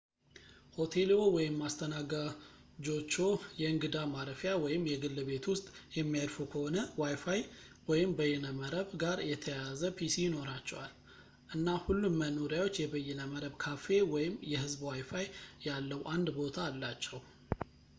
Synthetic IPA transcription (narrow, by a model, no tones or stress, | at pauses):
ho̞t̪ʰe̞lowɔjɪmːast̪ʰənaɡad͡ʒo̞t͡ʃːo̞jɛɨŋɡɨd̪amaɾəfjawɔjɪmjɛɡɨlːβe̞t̪wʊst̪ʼjɛmːijaɾfuwkʰəho̞nəwajfaj | wɔjɪmbəjːɛnəməɾəβɡaɾjɛt̪ʰəjazəpʰisijɪno̞ɾat͡ʃːɛ̰wal | ʔɨnːahulːumːənoɾjawo̞t͡ʃːjɛbəjɛnəməɾəβkʰafe̞wɔjɪmjɛhɨzbwajfajjalːəwʔand̪bo̞t̪ʰaːlːat͡ʃːɛw